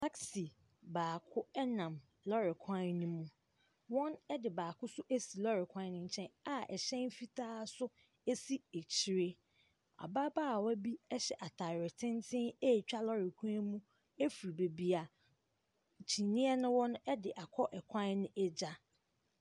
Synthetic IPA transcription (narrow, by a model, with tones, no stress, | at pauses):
tʰa˦ksi˨ | baː˨kʰʊ˦ɛ˦nã˨m | lɔ˦ɾɪ˨kʰã˦nũ˦mũ˦ | wɔ̃˦nɛ˦dɪ˨baː˨kʰʊ˦sʊ˦ʔe˦si˨lɔ˦ɾɪ˨kʷʰã˦n˦nʊ̃˦ɲ̩˨t͡ɕʰɛ̃˦na˨ʔɛ˨ɕɛ̃˦n˦fi˦tʰaː˦sʊ˦ | e˦si˦e˨t͡ɕʰi˨˦ɾe˦ | a̰˨ba˦baː˦˨wɔ˦bi˦ɛ˦ɕɛ˨ʔa˨tʰa˨ɾɪ˨tʰɪ̃˦ntʰɪ̃˦e˦˨t͡ɕᶣa˦lɔ˦ɾɪ˨kʷʰã˦nmũ˦ | e˦fɾi˨be˨bi˨a˨ | t͡ɕʰi˨nĩ˦ɛ˦nʊ̃˦wɔ̃˦n˦ɛ˦dɪ˨ʔa˨kʰɔ˦ʔɛ˨kʷʰã˦nnɪ̃˦ʔɛ˦d͡ʑa˦